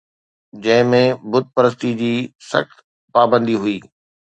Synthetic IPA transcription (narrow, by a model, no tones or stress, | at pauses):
d͡ʑɐ̃ɦɪ̃mẽbʊd̪̚ʱpɐɾəs̬t̪id͡ʑiːsɐ̰xt̪ | paːbə̃nd̪iɦʊiː